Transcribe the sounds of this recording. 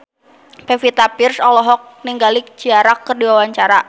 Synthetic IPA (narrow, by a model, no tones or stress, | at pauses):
pɛfit̪apirsɔlɔɦɔk̚niŋɡalɪk̚d͡ʒiaɾakərdiwawaɲt͡ʃaɾa